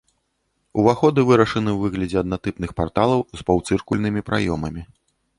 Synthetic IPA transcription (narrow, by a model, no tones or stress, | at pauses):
uvaxɔd̪ɨvɨɾɐʂɐnɨwvɨɣlʲɐd͡zʲɛɐd̪̚nat̪ɨpnɨxpart̪alˠɐwzpawt̪sɨrkulʲnɨmʲipɾa̰jɔmɐmʲi